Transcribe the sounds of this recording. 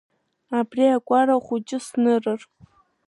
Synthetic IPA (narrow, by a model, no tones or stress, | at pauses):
abriakʷʼaɾaχʷut͡ʃʼɪsnɨrɨr